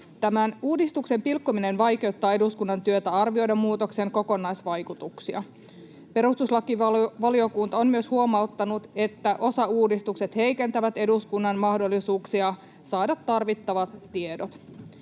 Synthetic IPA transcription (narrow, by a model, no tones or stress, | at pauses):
t̪æmænuːdist̪ukse̞mpilkːomine̞nʋɑjke̞uwt̪ːɑːe̞duskunːɑnt̪yøt̪æɑrʋio̞jdɑmːuːt̪o̞kseŋko̞ko̞nɑjsʋɑjkut̪uksiɑ | pe̞ɾust̪uslɑkiʋɑlio̞kunt̪ɑonmyøshuomɑot̪ːɑnut̪e̞t̪ːæʔo̞sɑuːdist̪ukset̪he̞jke̞nt̪æʋæt̪e̞duskunːɑnmɑhdo̞lːisuːksiɑ | sɑːdɑt̪ːɑrʋit̪ːɑʋɑt̪ːiedot̪